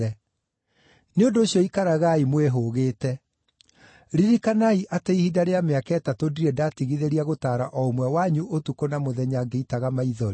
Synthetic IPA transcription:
ɛ | neondoːɕjɔikaɾaɣaimweɦoɣeːtɛ | ɾiɾikanaiʔateihidaɾeameakɛtatodiɾɛdatiɣiðeɾiaɣotaːɾa̰ʔɔomwɛwaɲuʔotukonamoðɛɲaɡeitaɣamaiðɔɾe

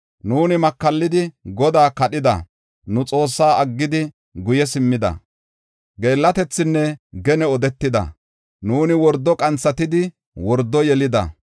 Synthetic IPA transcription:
nuːnɪmɐkːɐlːɪd̪ɪɡɔd̪aːkɐɗɪd̪ɐ̰ | nʊt͡sʼo̞ːsːaːɐɡːɪd̪ɪ | ɡʊjɛsɪmːɪd̪ɐ̰ | ɡe̞ːlːɐt̪ɛt͡sːɪnːɛɡɛnɛɔd̪ɛt̪ːɪd̪ɐ̰ | nuːnɪwɔɾd̪ːɔkʼɐnt͡sːɐt̪ɪd̪ɪ | wɔɾd̪ːɔjɛlɪd̪ɐ̰

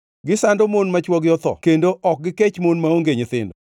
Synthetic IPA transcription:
ɡɪsandomonmat͡ʃwɔɡɪɔt̪ɔ̰kendoʔɔk̚ɡɪket͡ʃmonmaoŋɡeɲɪt̪ɪ̰ndɔ

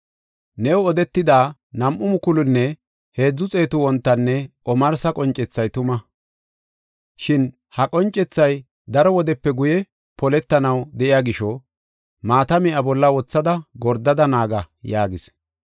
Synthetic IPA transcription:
nɛwɔd̪ɛt̪ːɪd̪aː | nɐmʔʊmʊkʊlʊnːɛ | he̞ːd͡zːʊt͡sʼe̞ːt̪ʊwɔnt̪ːɐnːɛʔɔmɐɾsɐkʼɔnt͡ʃʼːɛt͡sːɐjt̪ʊmɐ | ʃɪn | hɐkʼɔnt͡ʃʼːɛt͡sːɐj | d̪ɐɾɔwɔd̪ɛpːɛɡʊjɛ | pɔlɛt̪ːɐnɐwd̪ɛʔɪjaɡɪʃɔ | maːt̪ɐmɪʔɐbɔlːɐwɔt͡sːɐd̪ɐɡɔɾd̪ɐd̪ɐnaːɡɐ | jaːɡɪs

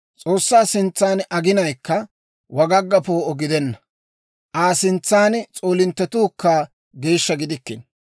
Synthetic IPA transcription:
t͡sʼo̞ːsːaːsɪnt͡sːaːnɐɡɪnɐjkːɐ | wɐɡɐɡːɐpo̞ːɔɡɪd̪ɛnːɐ | ʔaːsɪnt͡sːaːnt͡sʼo̞ːlɪnt̪ːɛt̪uːkːaː | ɡe̞ːʃːɐɡɪd̪ɪkːɪn

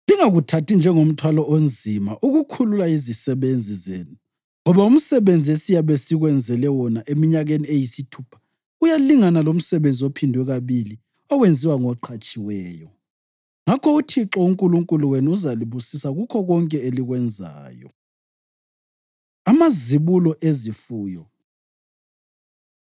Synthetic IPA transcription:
liŋaɣutʰatind͡ʒʱɛŋom̩tʰwalɔʔond͡zʱimaʔuɣukʰululaizisɛβend͡zʱizeːnu | ŋɔβaum̩sɛβend͡zʱiesijaβesiɣwɛnd͡zʱɛlɛwɔnaʔemiɲaɣeniejisitʰuːpʰḁ | ujaliŋanalom̩sɛβend͡zʱiopʰindʱwɛɣaβili | ɔɣwend͡zʱiwaŋɔǃʰat͡ʃʼiwɛːjɔ | ŋakʰɔutʰiǁɔuŋkʼuluŋkʼuluweniuzaliβusisaɣukʰɔɣɔŋkʼɛeliɣwɛnd͡zʱa̰ːjɔ̰ | amaziβulɔʔezifuːjɔ

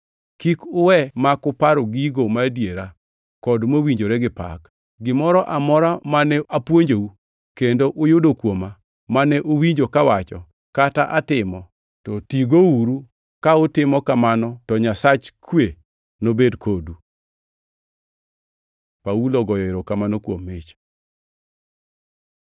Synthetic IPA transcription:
kikʊwɛmakʊpaɾoɡiɡomadjeɾa | kɔdmowiɲd͡ʒoɾɛɡɪpa̰k | ɡɪmɔɾɔʔamɔɾamanɛʔapwoɲd͡ʒou | kendoʔʊjʊdokwoma | manɛʔowiɲd͡ʒokawat͡ʃɔ̰ | kataʔatɪmɔ | tɔtiɡouɾu | kaʊtɪmɔkamanɔtɔɲasat͡ʃkwe | nobedkʰodu | pauloɡɔjɔeɾokamanokwomːet͡ʃ

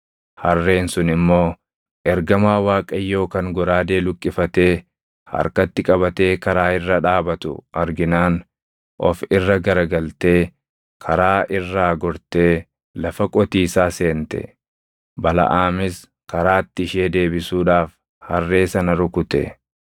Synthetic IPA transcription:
hɐrːe̞ːnsʊnɪmːo̞ː | ʔɛɾɡɐmaːwaːkʼɐjːo̞ːkɐŋɡɔɾaːd̪e̞ːlʊkʼːɪfɐt̪e̞ː | hɐ̰ɾkɐt̪ːɪkʼɐβɐt̪e̞ːkɐɾaːɪrːɐᶑaːbɐt̪ʊ̰ʔɐɾɡɪnaːn | ʔɔ̰fɪrːɐɡɐɾɐɡɐlt̪e̞ː | kʰɐɾaːʔɪrːaːɡɔɾt̪e̞ː | lɐfɐkʼɔt̪iːsaːse̞ːnt̪ɛ̰ | bɐlɐ̰ʔaːmɪs | kɐɾaːt̪ːɪɪʃeːd̪e̞ːbɪsuːᶑaːf | hɐ̰rːe̞ːsɐnɐɾʊkʊt̪ɛ̰

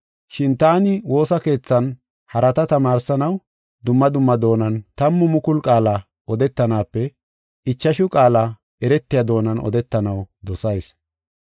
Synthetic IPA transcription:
ʃɪnt̪aːnɪwo̞ːsɐke̞ːt͡sːɐn | hɐɾɐt̪ɐt̪ɐmaːɾsɐnɐw | d̪ʊmːɐd̪ʊmːɐd̪o̞ːnɐnt̪ɐmːʊmʊkʊlkʼaːlɐ | ʔɔd̪ɛt̪ːɐnaːpːɛ | ɪt͡ʃːɐʃʊkʼaːlɐ | ɛɾɛt̪ːɪjɐd̪o̞ːnɐnɔ̰d̪ɛt̪ːɐnɐwd̪ɔsɐjs

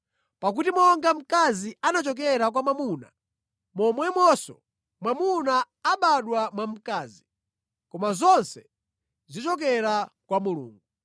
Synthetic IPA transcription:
pak̬utimɔŋɡam̩kazianat͡ʃɔk̬ɛɾak̬wamamuna̰ | mɔmwɛmwɔsɔ̰ | mwamunaː | ɓaɗwamwam̩kaːzi | kɔmazɔnsɛ | zit͡ʃɔkɛɾakwamulṵːŋɡu

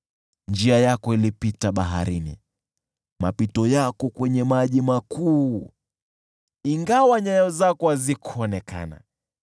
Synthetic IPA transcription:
nd͡ʒiajakɔilipitaɓaɦa̰ɾinḭ | mapitɔjakɔkwɛɲɛmaʄimakuː | iŋɡawaɲajɔzakɔazikʰɔnɛka̰na̰

